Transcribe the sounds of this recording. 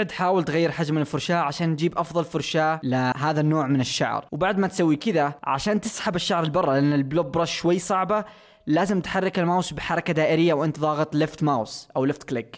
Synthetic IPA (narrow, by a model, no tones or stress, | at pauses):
ʕd̪ħaːwɪlt̪ɣajːɪɾħad͡ʒmɪnɪlfʊɾʃaːʔʕaʃaːnːd͡ʒiːbʔɑfðˤɑlfʊɾˤʃaːlɪɦaːðanːoːʕmɪnɪʃːa̰ʕ̰ɾwbaʕd̪mat̪sawːikɪðaʕa̰ʃaːnt̪ɪsħabɪʃːaʕɾˤɪlbɑrˤːɑlɪʔanːɪlblob̚bɾˤɑʃʃwajːsˤɑʕba | laːzɪmt̪ħarˤːɪkɪlmawsbɪħɑɾˤɑkad̪aːʔɪɾɪjːawʔɪnt̪ðˤɑːɣɨt̪ˤlɪft̪mawsʔawlɪft̪klɪk